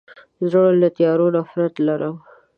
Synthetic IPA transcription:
zəɽlat̪jɑɾonafɾat̪laɾaw

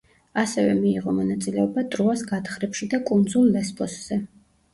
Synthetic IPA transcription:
asɛvɛmiːʁɔmɔnat̪sʼilɛɔbat̪ʼɾuasɡat̪χɾɛpʃid̪akʼund̪zulˠːɛspʰʼɔsz̥ɛ

